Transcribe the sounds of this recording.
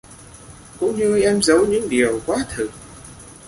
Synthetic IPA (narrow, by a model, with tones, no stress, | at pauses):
kʊ̰˧˥ŋ͡mɲɨ˧ʔɛ˧mzə˨˦wɲɨ̰˧˥ŋɗi˨˩əwkwaː˨˦t̪ʰɨ˨˩